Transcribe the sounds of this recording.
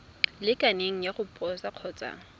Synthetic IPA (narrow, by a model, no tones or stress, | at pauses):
lɪkʼaneŋ̩jaχʊpʼɔsaq͡χʰɔːt͡sʼa̰ːŋ̩